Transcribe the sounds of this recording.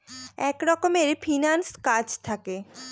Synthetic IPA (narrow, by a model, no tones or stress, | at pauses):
ɛkɾɔkomeɾfinanskad͡ʑt̪ʰake